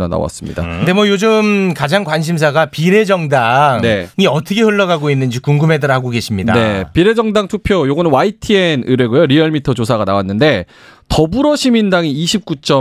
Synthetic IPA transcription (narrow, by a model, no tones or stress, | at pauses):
a̰na̰wa̰s͈ɯmɲḭda̰nde̞mwʌjod͡ʑɯmkad͡ʑaŋkwanɕ̬ʰims̬ʰaɡapiɾe̞d͡ʑʌŋdaŋne̞ŋiʌtʰʌkʰeɸɯɭːʌɡaɡoinːɯnd͡ʑikuŋɡɯmedɯɾɦaɡoɡe̞ɕʰimɲida̰ne̞piɾe̞d͡ʑʌŋdaŋtʰupʰjojoɡʌnɯnwaitʰienɯɾe̞ɡujoɾiʌɭmitʰʌd͡ʑosʰaɡanawanːɯnde̞ | tʌbuɾʌɕʰimindaŋiːɕʰip̚k͈ut͡ɕ͈ʌ